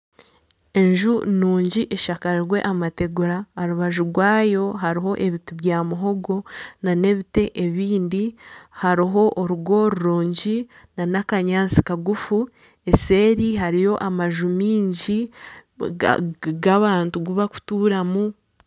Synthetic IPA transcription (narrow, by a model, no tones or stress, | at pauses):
e̞ɲʒunuːɲɟiʔeʃakaɾiɾwe̞̰ʔamate̞ɡuɾaːɾuβaʒuɾɡwaːjo̞ɦaɾiɦo̞ʔe̞βituβjaːmuɦo̞ɡo̞nane̞βite̞ʔeβiːndihaɾiɦo̞ʔoɾuɡo̞ɾuɾuːɲɟi | nanakaɲaːnt͡si̥kaɡufu | e̞se̞ːɾiɦaɾijo̞ʔamaʒumiːɲɟḭ | ɡaβaːntuɡuβaku̥tuːɾamu